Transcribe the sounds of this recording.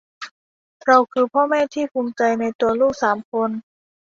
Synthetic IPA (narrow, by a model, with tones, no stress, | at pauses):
ɾa˧wkʰɯː˧pʰɔː˥˩mɛː˥˩t̪ʰiː˥˩pʰuː˧mt͡ɕa˧jna˧jt̪u˧ɐluː˥˩k̚saː˩˦mkʰo˧n